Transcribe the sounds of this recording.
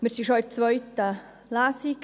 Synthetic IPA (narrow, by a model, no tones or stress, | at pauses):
mɪɾsiʃɔɪt͡sʋœʏt̪ə | lasik